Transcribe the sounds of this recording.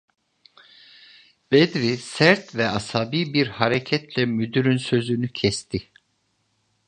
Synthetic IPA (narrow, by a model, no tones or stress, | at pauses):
b̥ɛd̪ɾisæɾt̪vɛashabiːbiɾhaɾecʰɛt̪lɛmyd̪yɾynsø̞zynycʰɛst̪ʰɪ